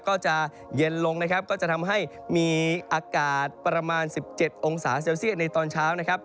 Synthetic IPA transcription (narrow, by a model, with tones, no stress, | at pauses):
kɔː˥˩t͡ɕa˨˩ | je˧nlo˧ŋna˦˥kʰa˦˥p̚kɔː˥˩t͡ɕa˨˩t̪ʰa˧mɦa˥˩j | miː˧ʔaː˧kaː˨˩t̪̚pɾa˧maː˧nsi˨˩p̚t͡ɕe˨˩t̪̚ʔo˧ŋsaː˩˦s̬eː˧wsi˥˩t̪̚na˧jt̪ɔː˧nt͡ɕʰaː˦˥wna˦˥kʰa˦˥p̚